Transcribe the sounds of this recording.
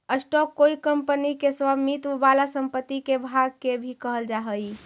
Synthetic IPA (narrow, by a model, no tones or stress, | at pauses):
əsʈɔkːoikəmpənikeswamit̪balasəmpət̪ːikebʱaɡ̚kebʱikəɦəld͡ʒaɦəj